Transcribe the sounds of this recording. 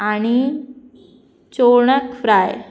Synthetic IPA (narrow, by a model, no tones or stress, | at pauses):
aɽ̃i | t͡ɕoɾɳəkfɾaj